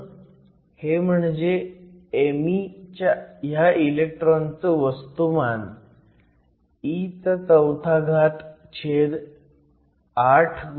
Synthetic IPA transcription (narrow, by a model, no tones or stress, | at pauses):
hem̤əɳd͡ʑeemit͡ɕjajailek̚ʈɾont͡səʋəst̪uman | it͡sət͡səwt̪ʰaɡʱat̪ | t͡ɕʰeɾ | aʈʰɡ